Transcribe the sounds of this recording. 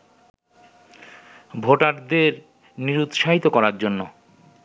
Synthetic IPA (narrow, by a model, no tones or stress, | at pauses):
bʱoʈaʈd̪eɾ | niɾut̪ʃaɦit̪okɔɾaɾd͡ʑonːo